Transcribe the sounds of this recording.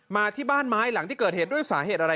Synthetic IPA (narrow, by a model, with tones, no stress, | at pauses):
maː˧t̪ʰiː˥˩baː˥˩nmaː˦˥jla˨˩˦ŋt̪ʰiː˥˩kɤː˨˩t̪̚eː˨˩t̪̚du˥˩jsaː˩˦ɦeː˨˩t̪̚ʔa˧ɾa˧